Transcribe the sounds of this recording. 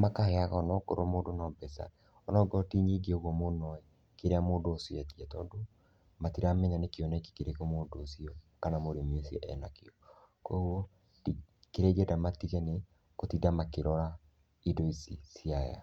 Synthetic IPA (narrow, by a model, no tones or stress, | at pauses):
makaheaɣanɔko̰ɾomoːndonɔbɛsa̰ | ɔnɔɡɔtiɲiɡeoɣwɔmonɔɛ | keɾeamoːdoosɔjatiatɔːdo | matiɾamɛɲanekiɔnɛki̥keɾekomoːdoːsiɔkanamoɾemiosiɔʔɛ̰nakeɔ | kwɛɣwo | i | keɾɛɡɛdamatiɣɛne | kotidamakeɾɔɾa | idoisḭsiaja̰